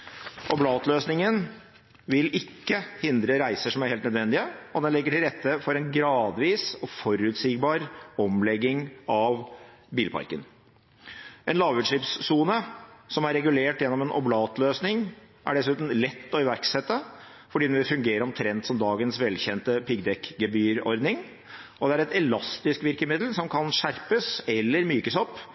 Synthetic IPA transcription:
ʔɔblɑːt̪løːsnɪŋən | ʋɪlɪkːəhɪnd̪ɾəɾæɪsəʂɔmæɾheːlt̪nəd̪ʋɛnd̪ɪəɔd̪ɛnlɛɡːəʈɪlɾɛt̪ːəfɔɾɛnɡɾɑːd̪ʋiːsɔfɔɾʉːt̪siːɡbɑːɾɔmlɛɡːɪŋɑʋ | biːlpʰɑ̰ɾkən | ʔɛnlɑːʋʉːd̪ʂɭɪpsːuːnəsɔmæɾːɛɡʉleːʈjɛnːɔmɛnʔɔ̰blɑːt̪løːsnɪŋ | ʔæ̰ɖɛsʉːt̪n̩lɛt̪ːɔɪʋæɾksɛt̪ːə | fɔɖiːd̪ɛnʋɪfʉŋɡeːɾəɾɔmt̪ʰɾɛnt̪sɔmd̪ɑːɡənsʋɛlçɛnt̪əpɪɡd̪ɛkːɡɛbyːɾɔ̰ɾd̪nɪŋ | ʔɔd̪ɛæɾɛt̪ɛlɑst̪ɪskʋɪɾkəmɪd̪l̩sɔmkʰɑnʂæɾpəsɛlːəɾmyːkəsɔpː

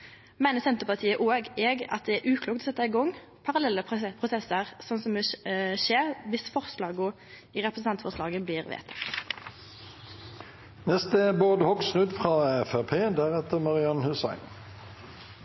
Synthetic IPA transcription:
mæɪnəsɛnt̪əpɑʁt̪ʰiːəʔoːɡɛɡɑ̰t̪̚d̪ɛæɾʔʉːkʰluːkt̪ɔsɛt̪ːɑɪɡɔŋ | pʰɑʁɑlɛlːəppʰʁʊsɛsəʁsɔnsɔmɪʃeːʁʋɪsfɔʁslɑːɡʊ | iːʁɛpɾʁəsnɑnt̪fɔʁslɑːɡəbliːʁʋḛːt̪ʰə̥ | nɛst̪əboːd̪əhɔksʁʉd̪fʁɑːɛfæpʰeːd̪æʁɛt̪əmɑʁɪɑnhʉsɑ̰ɪn

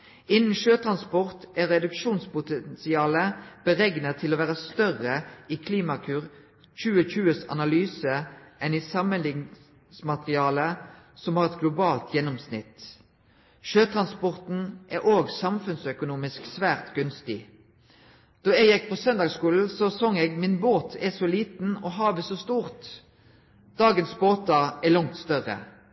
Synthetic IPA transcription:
ɪnn̩ʃøːt̪ʰʁɑnspɔʁt̪ɛʁɛd̪ʉkʃuːnspʊt̪ɛnsɪɑːləb̥əʁɛɡnət̪ʰɪloːʋæːʁəst̪œʁəiːkʰliːmɑkʰʉːʁ | c͡çʉːəçʉːəsɑ̰nɑlyːsəʔɛnisɑmənlɪŋ | smɑt̪ʁɪɑːləsɔmhɑːʁɛt̪ɡlʊbɑːlt̪ʰjɛnːɔmsnɪt̪ | ʃøːt̪ʰʁɑnspɔʁt̪n̩ʔɛʔoːɡsɑmfʉnsœkʊnuːmɪsksʋæːʁt̪ɡʉnst̪ɪ | d̪̥ɔɛɡɛɡ̚pʰoːsœnd̪ɑːɡskuːln̩sɔsɔːŋɛːɡmɪnboːt̪ʰɛsɔliːt̪n̩ɔːɦɑːʋəsɔst̪uːʁt̪ | d̪̥ɑːɡənsboːt̪ɑɛlɑŋt̪st̪œʁə̰

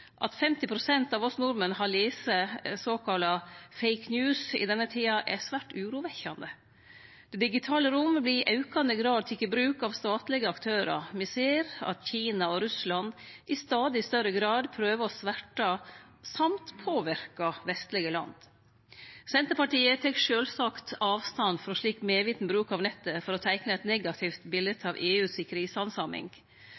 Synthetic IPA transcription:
ʔɑ̰t̪fɛmt̪ɪpʰɾʊsɛnt̪ɑʋɔsnʊɾmənhɑliːsəsoːkʰɑlɑfɛɪknjʉːsɪ̰d̪ɛnːət̪ʰiːɑʔɛsʋæːʈʉːɾuːʋɛçɑnd̪ə | d̪̥ɛd̪ɪɡɪt̪ʰɑːləɾʊmbliʔɑʉkɑnd̪əɡɾɑːd̪̚t̪ʰɪkəbɾʉːkɑʋst̪ɑːt̪lɪɡəɑkt̪ʰøːɾɑ̰mɪseːɾɑ̰t̪çiːnɑɔɾʉslɑnd̪ʔɪst̪ɑːd̪ɪst̪œɾəɡɾɑːd̪pʰɾøːʋəɔsʋæʈɑ | sɑmt̪pʰoːʋɪɾkɑʋɛst̪lɪɡəlɑ̰nd̪ | sɛnt̪əɾpɑʈiːət̪ʰɛkʂøːlsɑːkt̪ɑːʋst̪ɑnfɔɾɔʂɭiːkmeːʋiːt̪n̩bɾʉːkɑʋnɛt̪ːəfɔɾɔt̪ʰæɪknəɛt̪nɛɡɑt̪ʰɪft̪bɪlət̪ʰɑʋʔeːʉːsɪkːəɾɪsɑnsɑmɪ̰ŋɡ

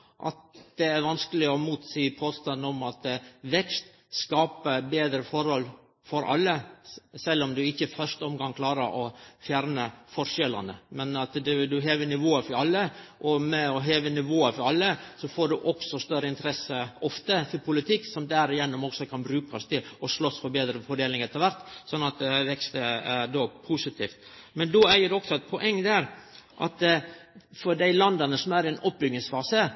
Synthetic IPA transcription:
ʔɑ̰t̪̚d̪ɛæɾʋɑnskəlɪɔmuːt̪siːpʰoːst̪ɑnəɔmɑt̪ʋɛkst̪ | skɑːpəbeːd̪ɾəfɔɾhɔl | fɔɾʔɑ̰lːəsɛlːɔmd̪ʉɪçːəfœʂt̪əɔmɡɑŋkʰlɑːɾə̰ʔɔfjæːɾnəfɔɾʂɛlːɑ̰nə̰mɛnɑt̪d̪d̪ʉɦeːʋənɪʋoːəfɔɾɑlːəʔɔmɛɔɦeːʋənɪʋoːəfɔɾɑlːəsɔfoːɖʉʔɔksɔst̪œɾəɪnt̪əɾɛsːəɔft̪ət̪ʰɪɾpʰʊlɪt̪ʰɪkːsɔmd̪æɾɪjɛnːɔmɔksɔkʰɑnbɾʉːkʰɑst̪ʰɪlɔʂlɔsfɔɾbeːd̪ɾəfɔɖeːlɪŋɛt̪ːəɾʋæɾt̪sɔnːɑt̪̚d̪ɛʋɛkst̪əæd̪ɔpʰusɪt̪ʰiːft̪mɛnd̪ɔæɪjəɖʉɔksɔɛt̪pʰɔʔɛŋːd̪æɾʔɑ̰t̪ | fɔɾɖæɪlɑnd̪ɑnəsɔmæɾɛnɔp̚ːbʏɡnɪŋsfɑːsə

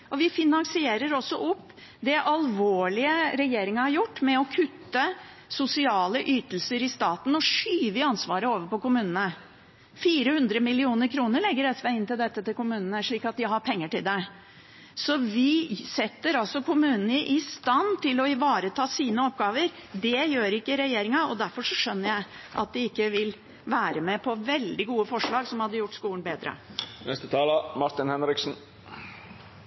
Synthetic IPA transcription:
ɔʋɪfɪnɑŋsɪeːɾəɾɔsːɔʔɔpː | d̪ɛʔɑlʋoːɭɪəɾɛjeːɾɪŋɑhɑɾjʊʈːmɛɔkʰʉt̪ːə | sʊsɪɑːləʔyːt̪əl̩səɾɪst̪ɑːt̪n̩ɔʂyːʋəɑnsʋɑːɾəoːʋəɾpɔkʊmʉːnənə | fiːɾəhʉnd̪ɾəmɪlɪuːnəɾkʰɾuːnəɾɭɛɡːəɾɛsʋæɪɪnt̪ɪld̪ɛt̪ːət̪ɪlkʊmʉːnənəʂɭiːkɑt̪̚d̪ɪɦɑɾpʰɛŋːəʈɪld̪ɛ | sɔʋɪsɛt̪ːəɾɑlsɔkʰʊmʉːnənəʔɪst̪ɑnt̪ʰɪlɔɪʋɑːɾət̪ʰɑːsiːnəɔp̚ɡɑːʋəɾd̪ɛjøːɾɪkːəɾɛjeːɾɪŋɑɔd̪æɾfɔʂɔʂœnːəɾjæɪ | ʔɑ̰t̪̚d̪ɪɪkːəʋɪl | ʋæːɾəmɛpʰɔʋɛld̪ɪɡuːəfɔʂɭɑːɡsɔmhɑd̪ːəjʊʈːskuːənbeːd̪ɾə̰nɛst̪ət̪ʰɑːləmɑɾt̪ɪnhɛnɾɪksn̩

